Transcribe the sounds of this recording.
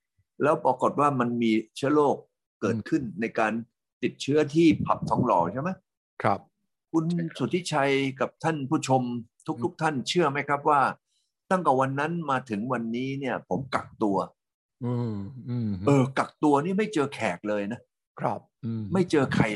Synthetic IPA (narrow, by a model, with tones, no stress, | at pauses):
lɛː˦˥wpɾa˧ko˨˩t̪̚waː˥˩ma˧nmiː˧t͡ɕʰɯ˦˥ɐloː˥˩k̚ː | ɤː˨˩t̪̚kʰɯ˥˩nːa˧jkaː˧n | t̪i˨˩t̪̚t͡ɕʰɯ˦˥ɐt̪ʰiː˥˩pʰːa˨˩p̚sʰɔ˨˩˦ŋlɔː˩˦t͡ɕʰa˥˩jma˦˥j | kʰa˦p | kʰu˧nsu˨˩t̪ʰi˦˥t͡ɕʰa˧jka˨˩p̚t̪ʰa˥˩npʰuː˥˩t͡ɕʰo˧mt̪ʰu˦˥k̚t̪ʰu˦˥k̚t̪ʰa˥˩nt͡ɕʰɯ˥˩ɐma˦˥jkʰɾa˦˥p̚waː˥˩ | t̪a˥˩ŋkɛː˨˩wa˧nːa˦˥nmaː˧t̪ʰɯ˩˦ŋwa˧nːiː˦˥ni˥˩ɐpʰo˩˦mka˨˩k̚t̪u˧ɐ | ɤː˧ | ʔɤː˧ka˨˩k̚t̪u˧ɐniː˥˩ma˥˩jt͡ɕɤː˧kʰɛː˨˩k̚lɤː˧jna˦˥ | kʰp̚ma˥˩jt͡ɕɤː˧kʰa˧j